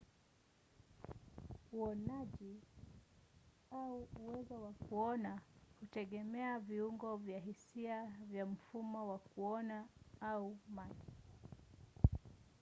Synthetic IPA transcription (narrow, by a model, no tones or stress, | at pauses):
uɔnaʄi | auuwɛzɔwakuɔnahutɛɠɛmɛaviuŋɡɔvjaɦisiavjam̩fumɔwakuɔnaaumaʄi